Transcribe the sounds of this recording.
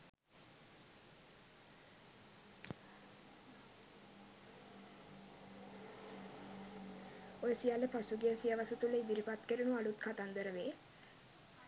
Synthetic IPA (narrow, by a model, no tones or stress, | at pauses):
ojəsijaləpasuɡeəsiəʋasət̪uləid̪iɾipat̪kəɾunualut̪kʰat̪and̪əɾəʋeː